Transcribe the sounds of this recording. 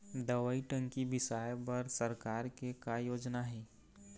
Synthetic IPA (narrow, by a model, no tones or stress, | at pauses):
d̪ɐʋəiʈə̃ŋkibɪsaːjpɐɾsɐɾkaːɾkekajoːd͡ʒnaɦɛː